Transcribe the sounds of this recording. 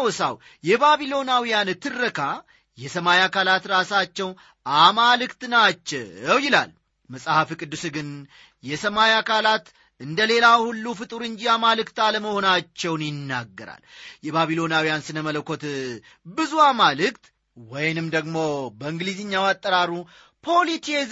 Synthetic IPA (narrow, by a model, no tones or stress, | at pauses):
wsa̰w | jɛbaβilo̞nawijant̪ʰɨrːəkʰa | jɛsəmajakalat̪ɾasat͡ʃːɛwn | amalɨkt̪nat͡ʃːɛwjɪla̰l | məsʼhafikʼɨd̪ːusɨɡɨn | jɛsəmajakalat̪ | ɨnd̪əle̞lahulːufɨt̪ʼɨɾɨɲd͡ʒiamalɨkt̪aləməho̞nat͡ʃːɛwnjɪnːaɡːəɾa̰ljɛbaβilo̞nawijansɨnəmələkʰːo̞t̪ | bɨzuamalɨkt̪ | wɔjnɨmd̪əɡmo̞bəɨŋɡlizɨɲːawat̪ʼːəɾaɾu | pʰo̞lit̪ʰez